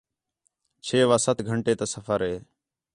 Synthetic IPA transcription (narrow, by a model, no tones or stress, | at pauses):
t͡ʃʰeːʋaːsət̪ɡʱəɳʈeːt̪əsəfʰəɾɦeː